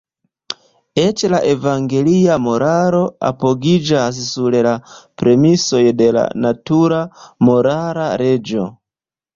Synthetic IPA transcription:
e̞t͡ʃlaʔe̞vaŋɡe̞liamo̞ɾaɾo̞a̰po̞ɡid͡ʒas̬suɾlapɾe̞miso̞jde̞la̰natuɾamo̞ɾaɾaɾe̞d͡ʒo̞

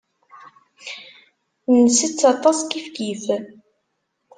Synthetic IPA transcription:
nəsit͡sːɑt̪ˤɑsˤkifkif

